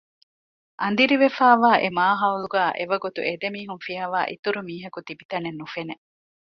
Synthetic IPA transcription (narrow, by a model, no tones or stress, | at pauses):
ʔɐnd̪iɾiʋefaːʋaːʔemaːɦɐuluɡæːʔeʋɐɡut̪ṵʔed̪emiːɦunfiaːʋaːʔḭt̪uɾumiːɦɐkut̪ibit̪ɐnenːufene